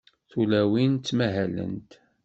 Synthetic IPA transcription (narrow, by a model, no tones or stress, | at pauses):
θulæwint̪ːmæɦælə̰nt̪